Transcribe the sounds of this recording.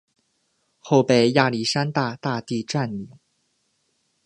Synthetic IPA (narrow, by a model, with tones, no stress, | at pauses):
xo˥˩ʊpe˥˨˩ɪja˥˩li˨˩ʂa˥nt̪a˥˧t̪a˥˧t̪i˥˧ʈ͡ʂa˥˩nli˨˩˦ŋ